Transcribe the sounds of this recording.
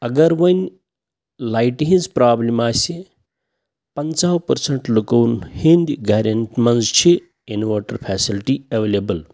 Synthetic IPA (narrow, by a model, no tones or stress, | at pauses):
ɐɡɐɾʋɐnʲ | lajʈiɦĩnzpɾaːblimaːsi | pɐnt͡saːwpɐɾsɐɳʈlukɐwnhind̪ʲɡaːɾʲɐnʈmɐnzt͡ʃʰi | inʋaːʈɐɾpʰɛːsilʈiɐʋeːleːbəl